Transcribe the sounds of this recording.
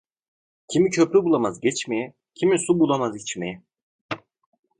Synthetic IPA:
cʰimicʰø̞pɾybulˠamazɟɛt͡ʃmejɛ | cʰimisubulˠamazit͡ʃmejɛ

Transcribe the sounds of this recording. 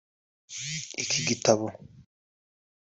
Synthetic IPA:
ikʰiɡitaβo

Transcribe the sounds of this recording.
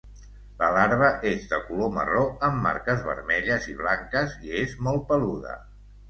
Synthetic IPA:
ləlaɾβ̞əʔezðəkulomə̰roəmːa̰ɾkəzβə̰ɾmɛʎəziβ̞laŋkəziezmɔlˠt̪̚pəluðə̰

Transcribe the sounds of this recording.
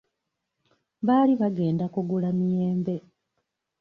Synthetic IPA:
βaːliβaɡe̞ːndakuɡulamijeːmbe̞

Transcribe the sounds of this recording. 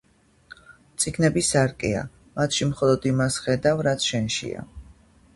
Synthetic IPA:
t̪sʼiɡnɛbisaɾkʼɛa̰ | mat̪ʰʃimχɔlˠɔd̪imasχɛd̪avɾat̪sʰʃɛnʃḭa̰

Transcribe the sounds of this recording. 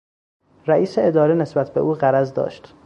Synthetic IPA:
ɾæiːseed̪ɒːɾine̞sbæt̪ʰbeʔuːɣæɾæzd̪ɒ̰ːʃt̪

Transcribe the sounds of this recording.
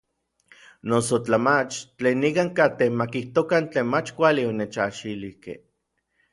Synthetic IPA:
nosot͡ɬamat͡ʃt͡ɬeːnːikaŋkat̪ehmakiht̪okant͡ɬeːnmat͡ʃkʷalionet͡ʃaʃilihkḛh

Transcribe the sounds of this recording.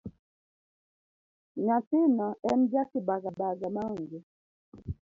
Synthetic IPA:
ɲasinɔɛm̩d͡ʒakibaɡabaɡamauŋɡi

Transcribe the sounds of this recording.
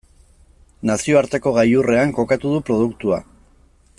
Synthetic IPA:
nasio̞aɾt̪e̞ko̞ɣajure̞aŋko̞kat̪uð̞upɾo̞ð̞ukt̪ua

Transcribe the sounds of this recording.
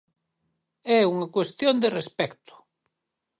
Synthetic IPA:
ɛuŋɐkwest̪jond̪erespɛkt̪ʊ̥

